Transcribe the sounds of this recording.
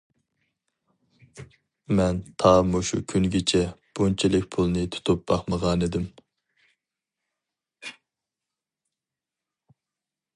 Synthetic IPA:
mɛnt̪ʰɑːmuʃṵkʲʰyŋɡʲit͡ʃʰɛb̥unt͡ʃʰilɪk̚ʲpʰulˠnɨt̪ʰu̥t̪ʰup̚b̥ɑχməʁɑned̪ɪm

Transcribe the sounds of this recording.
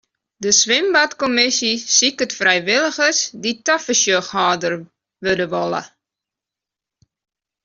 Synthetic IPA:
dəswɪmbɐtkɔmɪsisikətfrɛjvɪləχəsditɐfəʃəχhɑːdər | ʋədəvɔlə̰

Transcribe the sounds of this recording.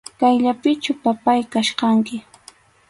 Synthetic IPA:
kajʎapɪt͡ʃʊpapajkaʃqɑŋkɪ

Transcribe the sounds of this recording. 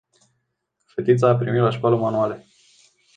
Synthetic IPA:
fet̪it̪saːpɾimit̪laʃkwaləmanuale

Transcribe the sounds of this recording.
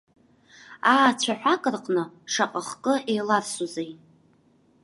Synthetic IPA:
aːt͡ɕʷʰaħʷᶣakʼɨrqʼnɨʂaqʼaχkʼɨʔejlarsuzej

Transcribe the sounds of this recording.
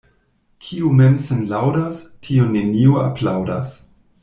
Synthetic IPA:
kʰiumemsenlawdastʰionenioa̰pʰlawda̰s

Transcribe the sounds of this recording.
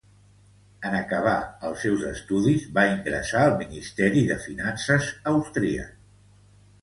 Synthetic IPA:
ənəkəβ̞aəlˠsɛwzəst̪uðizβaiŋɡɾə̰saəlˠminist̪ɛɾiðəfinansəzəwst̪ɾiə̰

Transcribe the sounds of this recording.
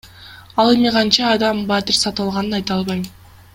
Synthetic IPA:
ɑlˠe̞miʁɑnt͡ʃɑːd̪ɑmbɑt̪ɪɾsɑt̪ɯɑlˠʁɑnɯnɑjt̪ɑlˠβɑj

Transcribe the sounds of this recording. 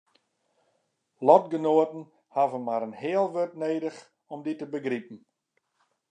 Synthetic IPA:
lɔtɡənoətn̩ | havənmaɾənhɪəlˠʋørtneːdəχ | ɔmditəbəɡripn̩

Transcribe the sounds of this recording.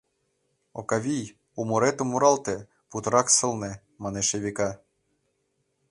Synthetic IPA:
o̰kɑβʲij | umoɾet̪omːuɾɑlˠt̪e | put̪ɤɾɑksɤ̆lˠne | mɑneʃeβʲikɑ

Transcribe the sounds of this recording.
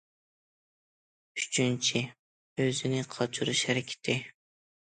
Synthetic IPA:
yt͡ʃʰynt͡ʃʰi | øzɪnɪqʰɑt͡ʃʰuɾuʃhæɾɪkʲʰɪ̥t̪ʰɪ

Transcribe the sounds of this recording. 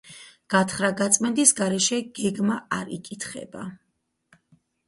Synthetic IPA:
ɡ̥at̪ʰχɾaɡat̪sʼmɛnd̪isɡaɾɛʃɛɡ̥ɛɡmaaɾḭkʼit̪ʰχɛ̰ba̰

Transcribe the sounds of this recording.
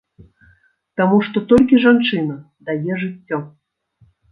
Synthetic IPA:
t̪amuʂt̪ɔt̪ɔlʲkʲiʐant͡ʂɨnɐ | d̪ajɛʐɨtʲːɔ

